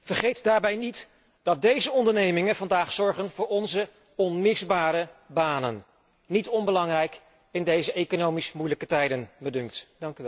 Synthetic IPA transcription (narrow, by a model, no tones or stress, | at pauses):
vəɹχejtdaːɹbɛjnit | d̥ɑt̚dejzəɔndəɹnejmɪŋənvɑndaːχsɔɹχənvʊːɹɔnzə | ɔnmɪsbaːɾəbaːnənː | itɔnbəlɑŋrɛjk | ɪndejzəʔejkonowmismujləkətɛjdənbədɵŋktdɑŋkyʋɛ